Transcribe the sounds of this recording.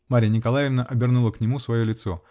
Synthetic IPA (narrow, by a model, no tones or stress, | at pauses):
maɾʲɪjənʲɪkɐlˠajɪvnəʔɐbʲɪrnulˠəknʲɪmusvɐjolʲɪt̪so̞̰